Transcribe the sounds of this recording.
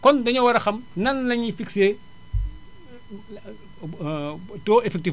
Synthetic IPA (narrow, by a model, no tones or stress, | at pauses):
kɔndɐɲɐwɐɾɐxɐmnɐnlɐɲifikseː | tɔːɛfɛk̚ti